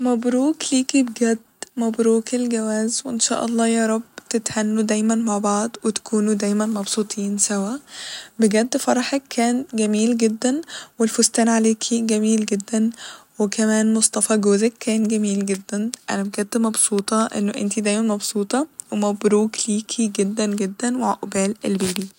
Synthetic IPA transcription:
mæbɾuːkliːkibɡæd̪ːmæbɾuːkelɡæwæːzweʔenʃæ̰ːʔɑlˤːɑːjɑːɾˤɑbːt̪et̪hænːud̪æːjmænmaʕbɑʕd̪ˤwet̪æ̥kʰuːnud̪æjmænmɑbsˤuːt̪ˤʰiːnsæwæbeɡæd̪ːfɑɾˤɑħekʰːæːnɡæmiːlɡed̪ːænwelfost̪æːnʕaleːkʰiɡæmiːlɡed̪ːænwekʰæmæːnmosˤt̪ˤɑfɑɡoːzekʰːæːnɡæmiːlɡed̪ːænʔæ̰næmeɡæt̪t̪ːmɑbsˤuːt̪ˤɑʔḛnːoʔḛnt̪id̪æːjmænmɑbsuːt̪ˤɑwemæbɾuːkliːkʰiɡed̪ːænɡed̪ːænweʕaʔobæːlelbiːɾi

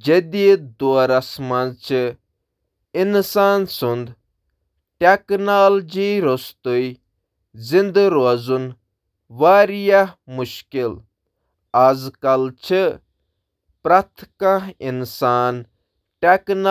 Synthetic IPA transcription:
d͡ʒed̪id̪oɐɾɐsmɐnt͡ʃʰɨ | insaːnsund̪ | ʈeknaːld͡ʒiɾost̪ui | zind̪ɾoɐzun | ʋaːɾjahmuʃkil | ɐzkɐlt͡ʃʰɨ | pɾɐt̪ʰkãɦinsaːn | ʈekna

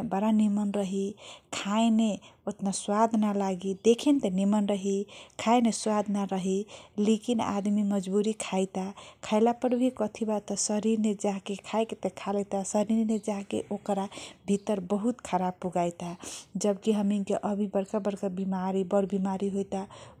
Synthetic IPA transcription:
bəɾanimənɾəɦikʰajneot̪naswad̪ʱnalaɡid̪ekʰent̪enimənɾəɦikʰajneswad̪ʱnaɾəɦilekina̰d̪miməd͡ʒbuɾikʰajt̪akʰaɪlapəɾbʱikət̪ʰibat̪ːɔsəɾiɾned͡ʒaɦkekʰajket̪ekʰalɛt̪asəɾiɾned͡ʒaɦkḛʔokɾabʱit̪əɾbəɦut̪kʰəɾab̚pːuɡajt̪ad͡ʒəbkiɦəminkeʔəbʱibəɾkabəɾkabimaɾibəɽbimaɾiɦojt̪a

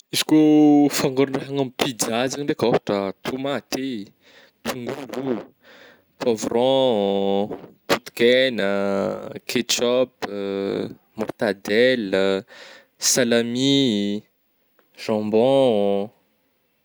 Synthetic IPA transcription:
izi̥kofaŋɡoɾunreɦaŋampid̪azindekɔfʈ͡ʂat̪ʰumat̪e | t̪ʰuŋɡuɡu | pʰɔvrɔ̃ | put̪kɛnə | kʰet͡ʃɔp | mɔrt̪ad̪ɛl | salami | ʒ̥ɑ̃mbɔ̃

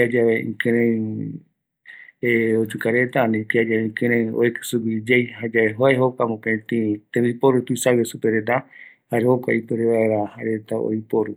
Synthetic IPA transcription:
pad͡ʒaβeḭ̃kɨ̃ɾẽj | eod͡ʒukaɾet̪anĩpiad͡ʒaβeĩkɨ̃ɾ̃ẽj̃o̰ekɨ̥suɡid͡ʒejɦad͡ʒaeɦoeɦokʷamõpet̪ĩt̪ẽmipoɾut̪uisawesupeɾed̪a | haɾehokʷa̰ipoɾeβaeɾahaɾet̪ao̰ipoɾu

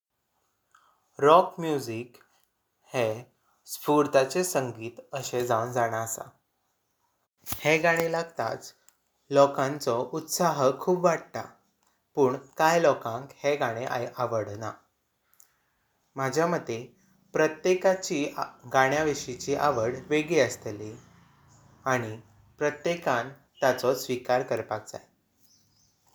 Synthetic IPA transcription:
ɾɔkmjud͡zik | he | spuɾt̪at͡sesəŋɡiːt̪əɕed͡zaund͡zaɽ̃aːsa̰ | hẽɡaɽ̃elaɡt̪a̰t͡s | lɔkãnt͡sɔʔut̪saɦəkʰuːbʋaɽt̪a̰ | puːɳkajlɔkãŋkheɡaɽ̃eʔa̰ʔaʋəɽna | mad͡ʑʱjaməd̪ʱːe | pɾət̪jekat͡ɕiːɡaɽ̃jaʋiɕit͡ɕiʔaʋəɽʋeɡiəst̪li | aɽ̃i | pɾət̪jekan | t̪at͡sɔsʋikaɾkəɾpak̚d͡za̰j

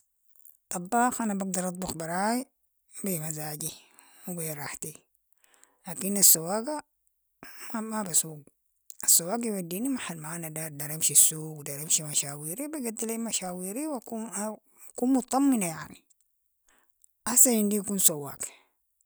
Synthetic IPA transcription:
t̪ˤɑbːɑːxʔanabaɡ̚d̪ɑɾˤɑt̪ˤbuxbɑɾˤaːji | bimazaːɟi | wibiɾˤɑħt̪i | laːkinasːawːaːɡa | mamabasuːɡ | asːawːaːɡiwadːiːnimaħalmaʕanad̪aɾd̪aɾˤamʃisːuːɡwd̪aɾamʃimaʃaːwiːɾibiɡad̪ːilamaʃaːwiːɾiwaku | akuːnmʊt̪t̪ˤːɑmːinaja̰ʕni | ʔasanind̪iakuːnsawːa̰ːɡ

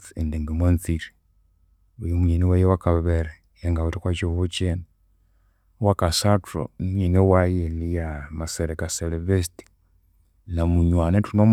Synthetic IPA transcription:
endeŋɡimwent͡siɾi | ujimuɲeniwejewakaβaβeɾe | jeŋɡaotikwat͡ʃohot͡ʃena | wakasatɾo̰ɲenewajelijamaseɾekaseleβesiti̥ | namuɲwanetunom

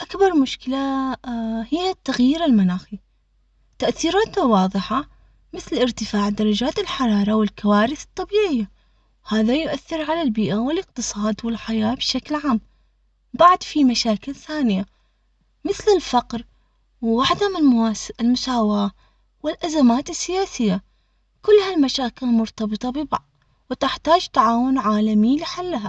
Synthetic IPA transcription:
ʔakbɑɾˤmʊʃkɪla | hɪjːat̪ːaɣjiːɾɪlmanaːxi | t̪ːaʔθiːɾaːt̪awɑːðˤɨħa | mɪθlʔɪɾt̪ɪfaːʕd̪ɑɾˤɑd͡ʒaːt̪ɪlħɑɾˤɑːɾˤɑwɪlkawaːɾɪθɨ̥t̪ˤːɑbiːʕɪjːa | haːðajʊʔaθːɪɾʕalalbiːʔawɪlɪqt̪ɨsˤɑːd̪wɪlħajaːbʃaklʕaːm | baʕd̪fimaʃaːkɪlθaːnɪja | mɪθlɪlfɑqɾ | wwaħd̪amɪnɪlmʊsaːwaː | wɪlʔazamaːt̪ɪsːɪjaːsɪjːa | kʊlːhalmaʃaːkɪlmʊɾt̪ɑbɨt̪ˤɑbɪba | wɪt̪ɪħt̪aːd͡ʒt̪aʕaːwʊnʕaːlamilɪħalːɦa

